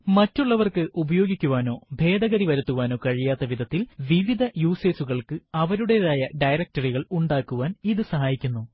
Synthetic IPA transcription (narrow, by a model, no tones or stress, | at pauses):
mɐtːuɭːɐʋɐrkɨʔubɐjo̞ːɡikʲːuʋaːno̞ːbʱe̞ːd̪ɐɣɐɾiʋɐɾut̪ːuʋaːno̞ːkɐɻijaːt̪ːɐʋid̪ʱɐt̪ːilʋiʋid̪ʱɐjuːse̞ːsuɣɐɭkɨɐʋɐɾuɽeɾaːjɐɖɐjɾɐk̚tɐriɣɐɭuɳɖaːkːuʋaːniðɨsɐɦaːjikʲːunːuː